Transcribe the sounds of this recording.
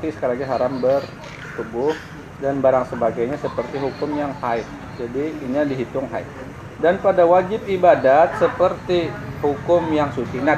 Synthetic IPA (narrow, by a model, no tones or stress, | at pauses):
t̪isə̥kaɾaɡaɦaɾambər | t̪ubʊh | danbaɾaŋsəbaɡajɲasəpərt̪iɦukʊmjaŋhaɪt̪̚ | d͡ʒadiːɲadiɦit̪ʊŋɦa̰ɪt̪̚ | danpadawad͡ʒɪp̚ibadat̪̚səpərt̪ihukʊmjaŋsut͡ʃina